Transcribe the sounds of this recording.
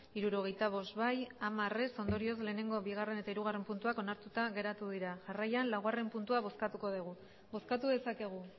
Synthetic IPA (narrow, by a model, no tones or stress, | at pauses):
iɾuɾo̞ɣ̞e̞jt̪aβ̞o̞st̪βajamare̞so̞nd̪o̞ɾio̞sle̞ːne̞ŋɡo̞βiɣ̞are̞ne̞t̪aiɾuɣ̞are̞mpunt̪uako̞naɾt̪ut̪aɣe̞ɾat̪uðiɾaʝarajanlawɣare̞mpunt̪uaβ̞o̞skat̪uko̞ðiɣ̞u | bo̞skat̪uðe̞sake̞ɣ̞u